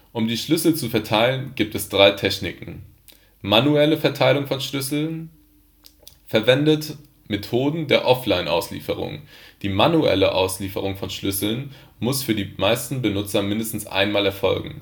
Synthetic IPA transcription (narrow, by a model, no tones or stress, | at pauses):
ʔʊmdiːʃlʏsl̩t͡sufɛɐtʰaɪlənɡiːp̚tɛsd̥ʁaɪtʰɛçnɪkŋ̩ | manuɛləfɛɐtʰaɪlʊŋfɔnʃlʏsl̩n | fɛɐvɛndət | metʰoːdn̩deːɐʔɔflaɪnʔa̰ʊslḭːfəʁ̞ʊ̰ŋd̥iːmanuʔɛ̰ləʔa̰ʊsliːfəʁʊŋfɔnʃlʏsl̩n | mʊsfyːɐdiːmaɪstn̩bənʊt͡sɐmɪndəstn̩sʔa̰ɪnmaːlɛɐfɔ̰lɡŋ̩